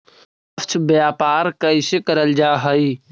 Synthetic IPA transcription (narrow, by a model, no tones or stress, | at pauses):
səfʰt͡ʃʰbjaːpaːɾkəisekəɾəld͡ʒaːɦəi